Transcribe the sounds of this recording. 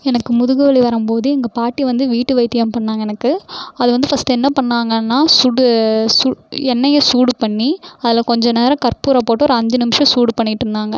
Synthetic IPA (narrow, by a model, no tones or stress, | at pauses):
ɛnɐkːɯmʊðɯɣɯʋɐɭiʋɐɾɯmpoːðɯɛŋɡɐpaːʈːiʋɐnd̪ɯʋiːʈːɯʋɐɪt̪ːɪjɐmpɐɳːaːŋɡɐɛnɐkːɯɐðɯʋɐnd̪ɯfɐst̪ɛnːɐpɐɳːaːŋɡɐnːaːsuːɽsuɛnːɐjɐsuːɽpɐɳːiɐðɪlɐkɔɲd͡ʒɐneːɾɐ̃kɐɾpuːɾapoːʈːoːɾɐɐɲd͡ʒɯnɪmɪʂɐ̃suːɽpɐɳːɪʈːɪɾɯnd̪aːŋɡɐ